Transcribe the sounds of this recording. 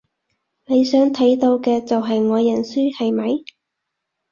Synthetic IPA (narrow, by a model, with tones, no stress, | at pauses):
ne˨˧jsœː˨˥ŋt̪ʰɐ˨˥jt̪o˧wkɛː˧t͡sɐ˨wɦɐ˨jŋɔː˨˧jɐ˨˩nsyː˥hɐ˨jmɐ˨˧j